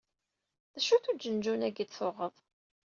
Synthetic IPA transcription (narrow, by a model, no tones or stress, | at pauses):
ðæʃuθud͡ʒənd͡ʒunæɡid̪θoʁəðˤ